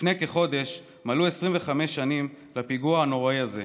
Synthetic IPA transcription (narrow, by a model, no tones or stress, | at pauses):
ne̞keχo̞d̪e̞ʃ | maluesʁimveχame̞ʃːanim | lapiɡuahano̞ʁaiaze